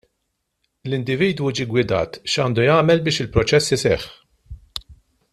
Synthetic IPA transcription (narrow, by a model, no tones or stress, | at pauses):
lɪnd̪ɪviːd̪wud͡ʒiːɡwɪd̪ɐ̰ːt̪ʃɐːnd̪ujɐːmɛlbɪːʃɪlpɾɔt͡ʃɛsːɪsɛ̰ːħ